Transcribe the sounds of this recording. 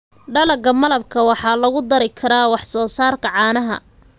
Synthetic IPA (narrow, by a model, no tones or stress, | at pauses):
ɖɐlɐɡɐmɐlɐb̚kʰɐwɑħɑːlɐɣʊd̪ɐɾɪkʰɐɾaːwɑħsɔːsaːrkʰɐʕɑːnɐɦɐ̰